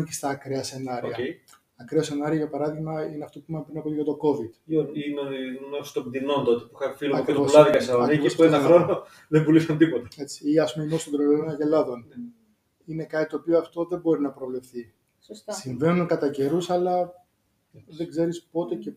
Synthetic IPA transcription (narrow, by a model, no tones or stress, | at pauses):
cest̪ɐːkɾeɐse̞nɐɾiɐe | ɐkɾeɐse̞nɐɾiɐʝɐpɐɾɐðiɣmɐineɐft̪o̞puimɐmpɾinɐpoliɣɐt̪o̞ko̞vid̪innost̪obd̪inont̪ot̪epuixɐfiloɐkɾivoslɐðikɐɐɐnivispoenɐxɾo̞no | ðembulisɐnt̪ipot̪ɐ̥e̞t͡si̥iɐspumeinost̪od̪ɾololonɐʝelɐðo̞n | ine̞kɐt̪it̪o̞ːpioɐft̪o̞ðe̞bo̞ɾinɐpɾo̞vle̞fθi | ssiɱve̞nunkɐt̪ɐɟe̞ɾusɐlɐ | ðeɡze̞ɾispo̞t̪e̞ce̞